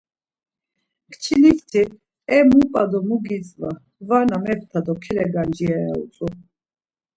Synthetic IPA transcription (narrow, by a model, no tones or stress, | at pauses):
kʰt͡ʃʰilift̪ʰi | ɛmupʼad̪ɔmuɡit͡sʼva | vanamɛft̪ʰad̪ɔkʰɛlɛɡand͡ʒiaja̰ṵt͡sʼu